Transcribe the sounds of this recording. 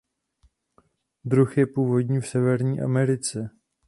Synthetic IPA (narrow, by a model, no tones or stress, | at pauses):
d̪ɾuxjɛpuːvo̞dɲiːfsɛvɛɾɲiːʔa̰mɛɾɪt͡sɛ